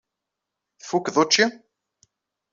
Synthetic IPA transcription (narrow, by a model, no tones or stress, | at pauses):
θfukðˤot͡ʃːi